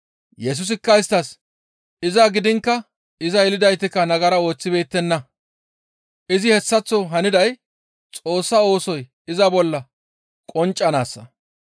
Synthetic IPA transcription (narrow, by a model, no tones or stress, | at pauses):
jɛs̬ʊs̬ɪkːɐɪst̪ːɐs | ɪzaɡɪd̪ɪŋkːɐ | ɪzɐjɛlɪd̪ɐjt̪ɪkːɐnɐɡɐɾɐo̞ːt͡sːɪbe̞ːt̪ːɛnːɐ | ʔɪzɪhɛsːɐt͡sːɔɦɐnɪd̪ɐj | t͡sʼo̞ːsːɐo̞ːsɔj | ɪzɐbɔlːɐ | kʼɔnt͡ʃʼːɐnaːsːɐ